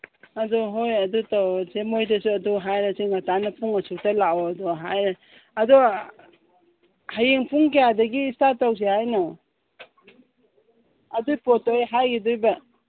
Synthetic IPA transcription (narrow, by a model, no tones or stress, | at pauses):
adɔɦojɐdutawsemojtɐsuaduɦajɾaseŋatanapuŋasutalaɔdɔɦajɾaː | dɔ | hajeŋpʰuŋkejadɐɡiːstataws̬ihajnaw | ɐdujpɔtɔjɦajɡidujba